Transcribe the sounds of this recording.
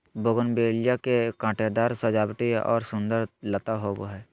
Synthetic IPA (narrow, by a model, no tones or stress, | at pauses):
boɡənbeːljakekãːʈed̪aːɾsəd͡ʒaːbt̪iɔ̰ːɾsʊ̃nd̪əɾlət̪aɦoboɦɛː